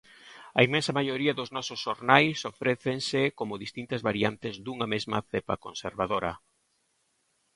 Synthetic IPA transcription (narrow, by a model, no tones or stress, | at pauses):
ɐimẽnsɐmajoɾiɐðoznɔsosʃːoɾnajsofɾeθensɪkomʊðist̪int̪ɐzβaɾiant̪ɪzd̪uŋɐmezmɐ̰θepɐ̰konseɾβaðoɾɐ̰